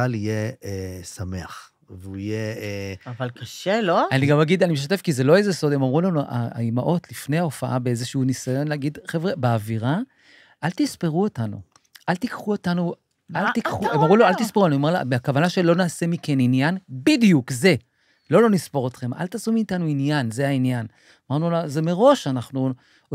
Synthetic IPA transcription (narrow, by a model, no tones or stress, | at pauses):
alijeesame̞a̰χ | veuijeavalkaʃeloaniɡamaɡid̪animeʃ̬at̪e̞fkize̞lo̞ejzeso̞d̪emamʁulanuʔa̰a̰imaʔo̞t̪lifne̞jhao̞faʔabe̞ezeʃuunisajo̞nlaːɡid̪χevʁebeaviʁa | ʔalt̪ispeʁuo̞tanṵ | ʔalt̪ikχuo̞tanu | alt̪ikχuemamʁulaalt̪ispeʁulanuomla̰beakavanaʃe̞lo̞naːse̞mike̞ninjanbidijukze̞ | lo̞lo̞nispo̞ʁot̪χe̞mʔa̰lt̪aːsumiːt̪anuinjanze̞ainjan | amaʁnulaze̞me̞ʁo̞ʃanaχnu